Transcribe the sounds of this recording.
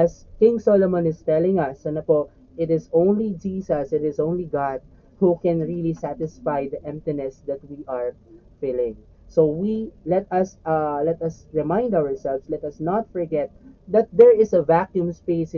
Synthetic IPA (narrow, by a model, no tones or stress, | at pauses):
ʔɐskɪ̃ŋsolomɔ̃nɪst̪ɛlɪ̃ŋɐsɐnɐpo | ɪt̪ɪsõʊ̃nlid͡ʒisɐsɪt̪ɪsõʊ̃nliɡɑd̪̚ | hukɛ̃nɹilisæt̪ɪsfajd̪ɐʔɛ̃mp̚t̪ɪnɛsd̪ɐt̪̚wiʔɐɹ | fɪlɪ̃ŋ | sowilɛt̪ɐslɛt̪ɐsɹɛmãɪ̃nd̪awəɹsɛlvslɛt̪ɐsnɔt̪̚fɔɹɡɛt̪̚d̪ɐt̪̚d̪ɛɹɪsɐvakjũmspes